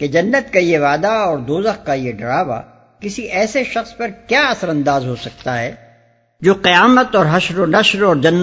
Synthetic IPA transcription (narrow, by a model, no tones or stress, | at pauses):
ked͡ʒɐnːət̪kajeʋaːd̪aɔːɾd̪oːzəxkajeɖɐɾaːʋa̰ | kɪsiʔɛːseʃɐxspɐɾkjaːɐsəɾɐ̃nd̪aːzɦosɐk̚t̪aɦɛː | d͡ʒoːqɪjaːmət̪ɔːɾɦɐʃɾonɐʃɾɔːɾd͡ʒɐnː